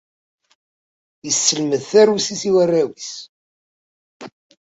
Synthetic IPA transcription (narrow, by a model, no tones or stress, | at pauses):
jəsːəlməðθæɾusisiwərːæwis